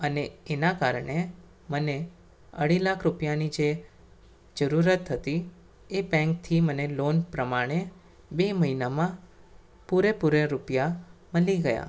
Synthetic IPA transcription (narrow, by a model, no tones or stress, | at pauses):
əneenakaɾɳe | məne | ə̰ɽilakʰɾupjanid͡ʒe | d͡ʒəɾuɾət̪ɦət̪i | ebɛ̃ŋk̚t̪ʰimənelonpɾəmaɽ̃e | beməɦinamã | puɾepuɾeɾupjaməliɡəja̰